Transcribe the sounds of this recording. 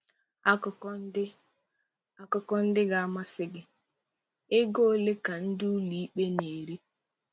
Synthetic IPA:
a˦k | a˦kʊ˨kɔ˦n̩˦dɪ˦ɡa˦a˦ma˦sɪ˦ɡɪ˦ | ɪ˦ɡo˦le˦ka˨n̩˦dʊ˦li˨i˦k͡pe˦ne˨ɾi˦

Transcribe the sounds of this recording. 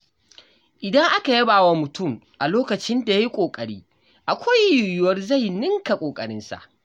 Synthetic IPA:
ʔɪ˨dɐ˦ŋʔa˦ka˨jɐ˦baː˨wa˦mʊ˨tʊ˦˨mʔa˨loː˦kɐ˨t͡ʃɪ˦nda˨ja˦ji˦kʷʼoː˨kʼɐ˨ɽiː˦ | ʔa˨kʷa˦jjʊ˨jʊ˨˦wɐ˦rza˦˨jnɪ˦ŋka˨kʷʼoː˨kʼɐ˨ɽɪ˦nsa̰˨ʔ

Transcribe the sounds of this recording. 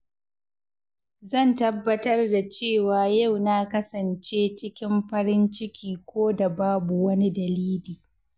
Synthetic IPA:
zɐ˦˨ntɐ˦bːɐ˦tɐ˦rda˨t͡ʃeː˦˨waː˨ja˦˨wna˦kɐ˦sɐ˨nt͡ʃeː˦t͡ʃɪ˦kʲɪ˦mɸɐ˦ɾɪ˦nt͡ʃɪ˦kʲʰiː˨kʷoː˦da˨baː˦bu˨wɐ˦ni˦dɐ˨liː˦liː˨

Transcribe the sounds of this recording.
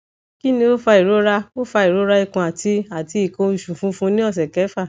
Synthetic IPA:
ki˦nĩ˧o˦fa˧i˨ɾo˨˦ɾa˦o˦fa˧i˨ɾo˨˦ɾa˧i˦˧kũ˨˧a˨tʰi˧a˨ti˧i˨kõ˧u˨ʃũ˨fũ˧˦fũ˧˦nĩ˦ɔ˦˨s̬ɛ˨kɛ˨˦fa˦˨

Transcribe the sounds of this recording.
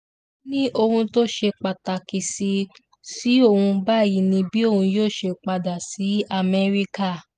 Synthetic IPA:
nĩ˦ʔo˧hũ˧to˦ʃe˧k͡pa˨ta˨ki˨si˧ | si˨˦o˦˨hũ˧ba˦˨ji˨˦nĩ˧bi˦o˦˨hũ˧joː˦˨ʃe˧k͡pa˧da˨si˨˦a˦˨mɛ˦ɾi˦ka˦˨

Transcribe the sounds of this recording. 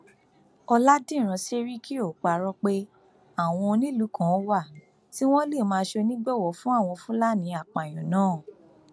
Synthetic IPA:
ɔ˧la˦dĩ˦˨ɾ̃ã˧se˦ɾi˦kʰi˦o˦˨k͡pa˨ɾɔ˧k͡pe˦ | a˨w̃ɔ̃˧nĩ˦lu˨˦kã˨˦wa˦˨ | ti˦w̃ɔ̃˦le˦˨mãː˧˦ʃe˧nĩ˦ɡ͡bɛ˦˨wɔ˨˦fũ˦a˦˨w̃ɔ̃˧fũ˦la˦nĩ˧a˨k͡pa˨j̃ɔ̃˨nãː˨˦˨

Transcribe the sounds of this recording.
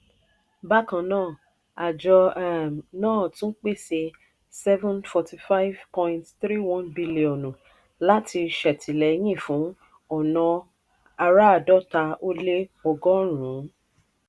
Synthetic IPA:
ba˦kã˧˨nãː˦˨ | a˨d͡ʒɔ˧ɛ˦˨mnãː˦˨tũ˦n̩˦k͡pe˦˨se˧ | sɛ˦vɛ̃˦nfɔ˧ti˧fa˦i˦vpɔ̃˧ĩntθɾi˦wɔ̃˦nbi˦li˨ɔ̃˨nũ˨ | la˦ti˧ʃɛ˨tʰi˨lɛ˨˦j̃ĩ˦˨fũ˨˦ | ɔ˨nɔ̃˧ | a˧ɾa˦a˨dɔ˦˨ta˧o˦le˦ɔ˧ɡɔ˦ɾ̃ũ˨˦

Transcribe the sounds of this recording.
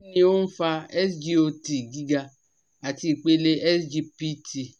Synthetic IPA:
nĩ˧˦o˦n̩˦fa˧ɛ˦sd͡ʒi˦o˧ti˨ɡi˨˦ɡa˧ | a˨ti˧i˨k͡pe˦le˦ʔɛ˦sd͡ʒi˧pi˦ti˨

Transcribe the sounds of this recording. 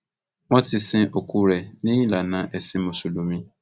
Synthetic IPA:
mɔ˦tɪ˨sɪ̃˦ʔo˨kʰu˦ɾɛ˨nɪ̃˦ĩ˦la˨nã˨ʔɛ˨sɪ˦mo˨su˨lu˨mĩ˦

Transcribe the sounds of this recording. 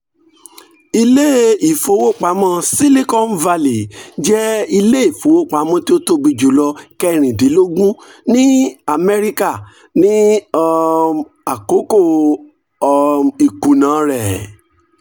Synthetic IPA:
i˧le˦i˨fo˧˦wo˦˨k͡pa˨˦mã˦si˦li˦kɔ̃˦n̩˦va˧li˨d͡ʒɛ˦i˧le˦i˦˨fo˨˦wo˦˨k͡pa˨˦mɔ̃˦ti˦o˦to˦˧bi˧d͡ʒu˨˦lɔ˧kɛ˧˨ɾ̃ĩ˨di˨˦lo˦ɡũ˦nĩ˦a˨mɛ˦ɾi˦ka˦˨ | nĩ˦ɔ˧ | a˨ko˨˦ko˦˨ | ɔ˧i˨kũ˨nã˨˦ɾɛ˨

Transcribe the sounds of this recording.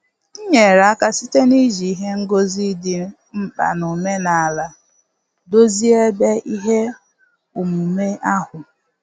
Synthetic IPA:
i˦ɲe˨ɾa˨a˦ka˦si˦te˦ni˦ʒi˨i˦ɦe˦ŋ̩˦ɡo˦zi˦dɪ˦ | m̩˦k͡pa̰˨nʊ˨me˦na˨a˨la˨ | do˦zi˦e˦be˦ʔi˦ɦe˦ | u˨mu˨me˦ʔa˦hʊ˨

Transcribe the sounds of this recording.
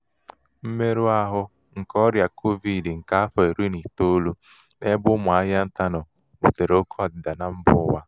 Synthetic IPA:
m̩˦me˦ɾu˦a˦ɦʊ˦ | ŋ̩˨kɔ˦ɾja˨kʰo˦vi˨dŋ̩˨ka˦a˦fɔ˨e˨ɾi˦ni˨to˦lu˦ | ne˦bʊ˦mʊ˨a˦ɦa˦n̩˦ta˦nɔ˨ | ṵ˨te˨ɾo˦kʰa˨dɪ˨da˨na˨m̩˦bʊ̰˦wa˦

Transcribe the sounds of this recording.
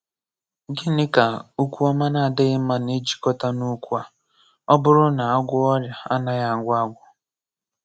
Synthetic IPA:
ɡɪ˦nɪ˦ka˨u˦kʷu˦ɔ˦ma˦na˦˨dɪ˦ɪ˦ma˨ne˦d͡ʒi̥˨kɔ˦ta˦nu˦kʷu˦a˨ | ɔ˦bʊ˦ɾʊ˦na˨a˦ɡʷʊ˦ɔ˦ɾja˨a˦na˨ja˨ŋ˨ɡʷa˦ɡʷʊ˨

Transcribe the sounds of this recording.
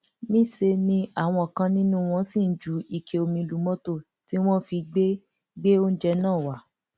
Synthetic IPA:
nĩ˦se˧nĩ˧a˦˨w̃ɔ̃˧ɔ˨kã˧nĩ˦nũ˦˧w̃ɔ̃˧˦sĩ˦˨n̩˨˦d͡ʒu˨˦i˨kʰe˧˨o˧mĩ˧lu˨˦mɔ̃˦to˦˨ | ti˦w̃ɔ̃˦fi˧ɡ͡be˦ | ɡ͡be˦o˦n̩˦d͡ʒɛ˧nãː˦˨wa˨˦˨

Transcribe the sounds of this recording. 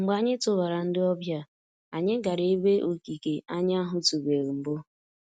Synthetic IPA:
ŋ͡m̩˨ɡ͡ba˦ɲɪ˦tʊ˦ba˨ɾa˨n̩˦dɪ˦ɔ˦bja˦ | a˨ɲɪ˦ɡa˨ɾe˦e˦be˦ʔo˨ki˨ke˨a˦ɲ˦a˦ɦʊ˦tu˨be˨ɾi˨m̩˨bʊ˦

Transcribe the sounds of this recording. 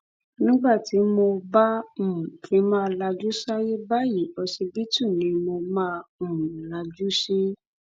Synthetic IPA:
nĩ˦ɡ͡ba˦˨ti˨˦mo˧bã˦˨kʰĩ˨˦mã˦˧la˧d͡ʒu˦sa˦je˦ba˦˨ji˨˦ɔ˧si˧bi˦tũ˦˨nĩ˧˦mo˧mã˦˨la˧d͡ʒu˦ʃi˦

